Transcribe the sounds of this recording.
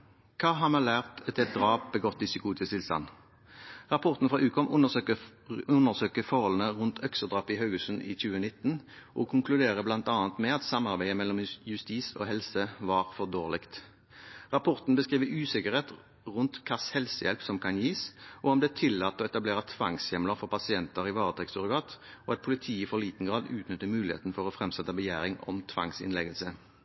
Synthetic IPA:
kʰɑːɦɑmɑlæːʁt̪ɛt̪ɛt̪̚d̪ʁɑːp̚bəɡɔt̪̚d̪ɪsɪkʰuːt̪ʰɪst̪ʰɪlst̪ɑ̰n | ʁɑpʰɔʁt̪n̩fʁɑːʔʉːkʰɔmʔʊnəʉnːəʁsøːkəfɔʁhɔlən̩əʁʉnt̪ʰœksəd̪ʁɑːpɪɦɑʉɡʉsən̩ḭːçʉːənɪt̪ːn̩ʔɔːkʰʊŋklʉd̪eːʁəblɑnt̪ɑːnt̪mɛɑt̪sɑmɑʁbæɪəmɛlɔmjʉst̪iːso̰ːɦɛlsəʋɑːʁfɔʁd̪oːʁlɪkt̪ | ʁɑpʰɔʁt̪n̩bəskʁiːʋəʉːsɪkəʁheːt̪ | ʁʉnt̪kʰɑshɛlsəjɛlpsɔmkʰɑnjiːsʔɔɔmd̪ɛt̪ʰɪlːɑːt̪ːoːɛt̪ɑbleːʁət̪ʰʋɑŋsjɛmləfɔʁpɑsɪɛnt̪əʁɪʋɑːʁət̪ʰʁɛksɔʁɪɡɑːt̪oːɑt̪̚pʰʊlɪt̪ʰiːifɔliːt̪n̩ɡʁɑːd̪ʉːt̪nʏt̪ːəmʉːlɪhḛːt̪n̩fɔʁoːfʁɛmsɛt̪əbəjæːʁɪŋɔ̰mt̪ʰʋɑ̰ŋsɪ̰nlɛɡəlsə

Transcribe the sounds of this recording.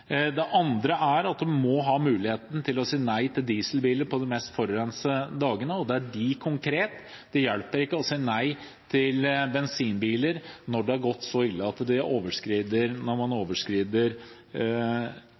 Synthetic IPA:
d̪ɛʔɑnd̪ɾəæɾɑt̪̚d̪ʉmɔɦɑːmʉːlɪheːt̪n̩t̪ʰɪlɔsiːnæɪt̪ʰɪld̪iːsəlbiːləɾpʰɔd̪ɛmɛst̪fɔɾəɾɛnsəd̪ɑːɡənəɔd̪ɛæɖɪkʰʊŋkʰɾeːt̪ | d̪̥ɛjɛlpəɾɪkːəɔsiːnæɪ | t̪ʰɪlbɛnsiːnbiːləɾnɔɖɛɑɾɡɔt̪ːsɔɪlːəɑt̪ːd̪ɪʔoːʋəʂkɾiːd̪əɾnɔɾmɑnoːʋəʂkɾiːd̪əɾ

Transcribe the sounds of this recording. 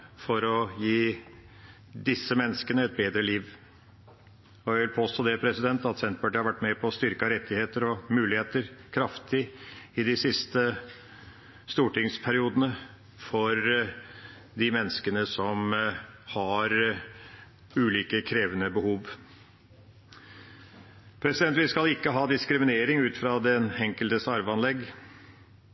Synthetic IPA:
fɔɾɔjiː | d̪ɪsːəmɛnːəskənəɛt̪̚beːd̪ɾəliːʋ | ɔjæʋɪlpʰoːst̪oːd̪ɛpʰɾɛsɪd̪ɛnt̪ɑt̪sɛnt̪̚bæʈhɑɾʋæʈːmɛpʰɔːst̪ʏɾkɑɾɛt̪ʰːɪheːt̪əɾɔmʉːlɪheːt̪əɾkʰɾɑft̪ʰɪɪd̪ɪsɪst̪ə | st̪uːʈɪŋspʰæɾɪuːd̪ənə | fɔɾ | d̪ɪmɛnːəskənəsɔmhɑɾ | ʉːliːkəkʰɾeːʋənəbəhuːʋ | pʰɾɛsɪd̪ɛnt̪ʋɪskɑlɪkːəɦɑːd̪ɪskɾɪmɪneːɾɪŋʉːt̪fɾɑd̪ɛnɛŋkəlt̪əsɑɾʋəɑnlɛɡː

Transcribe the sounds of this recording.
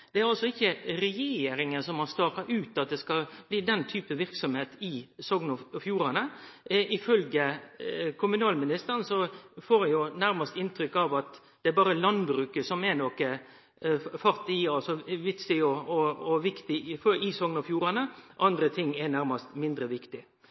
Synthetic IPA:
d̪̥ɛæɾɑlsɔɪçːəɾɛjeːɾɪŋənsɔmhɑɾst̪ɑːɑʔʉːt̪ɑt̪̚d̪ɛskɑb̥liːd̪ɛnt̪ʰyːpəʋɪɾksɔmheːt̪ɪsɔɡnɔfjuːɾɑnəɪfœlɡə | kʰʊmʉnɑːlmɪnɪst̪əɾənsɔfoːɾɛjʊnæɾmɑst̪ɪnt̪ʰɾʏkːɑʋɑt̪ | d̪ɛæɛɾbɑːɾəlɑnbɾʉːkəsɔmɛnɔkə | fɑɾt̪ɪɑsɔʋɪt̪sɪɔɔɔʋɪkt̪ɪfɪsɔŋnɔfjuːɾɑnəʔɑnd̪ɾət̪ʰɪŋːɛnæɾmɑst̪mɪnd̪ɾəʋɪkt̪ɪ

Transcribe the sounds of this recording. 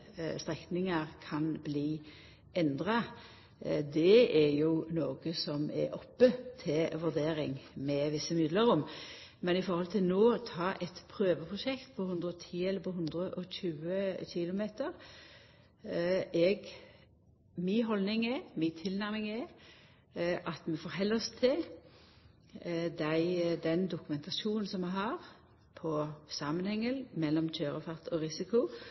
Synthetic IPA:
st̪ʁɛknɪŋɑɾkʰɑnbliː | ɛnd̪ʁɑ | d̪ɛɛɾjʊnoːɡəsɔmɛ̰ɾɔpːət̪ʰɪlʋʉʁd̪eːɾɪŋmɛʋɪsːəmɪd̪ləɾʊm | mɛnɪfɔɾhɔlt̪ʰɪlnoːt̪ʰɑːʔɛt̪pʰʁøːʋəpʰʁʊʃɛkt̪pʰɔhʉnd̪ɾəɔt̪ʰiːɛlːəpʰɔɦʉnd̪ʁəʔɔçʉːəçɪlʊmeːt̪əɾ | ɛɡ | mɪɦɔlnɪŋɛmɪt̪ʰɪlnæɾmɪŋɛ | ʔɑt̪mɛfɔɾɦɛlːɔst̪ʰɪl | d̪æɪd̪ɛnd̪ʊkʊmɛnt̪ʰɑʃuːnn̩sɔmːɛɦɑʁ | pʰɔsɑmənhɛŋːəlmɛlːɔmc͡çøːɾəfɑʁt̪ʰɔʁɪsɪkʊ

